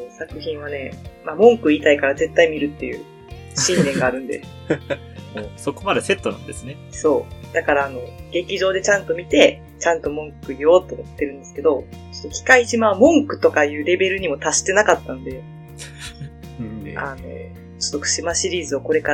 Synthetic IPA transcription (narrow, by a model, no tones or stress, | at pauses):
soːsakɯ̟çĩɰ̃βane̞mamõ̞ŋkɯ̟it̪aikaɾaze̞t̪ːaimʲiɾɯ̟t̪ːe̞jɯ̟̰ː | ɕĩnd̪ẽ̞ŋɡaːɾɯ̟̃nd̪e̞̰ | moːso̞ko̞mad̪e̞se̞t̪ːo̞nã̰nd̪esɨneso̞ːd̪̥akaɾaːno̞ɡe̞kʲiʑo̞ːd̪e̞t͡ɕãnt̪o̞mʲit̪e̞ | t͡ɕãnt̪o̞mõ̞ŋkɯ̟io̞ːt̪ːomot̪ːe̞ɾɯ̟̃nd̪e̞sɨ̥ke̞d̪o̞o̥t̪ːokʲi̥kaiʑimamõ̞ŋkɯ̟̥t̪o̞kajɯ̟ːɾe̞be̞ɾɯ̟ɲ̟imo̞t̪aɕi̥t̪e̞nakat̪ːanod̪e̞ | ano̰ | t͡ɕo̥t̪ːokɯ̟̥ɕimaɕiɾʲiːzɨoko̞ɾe̞ka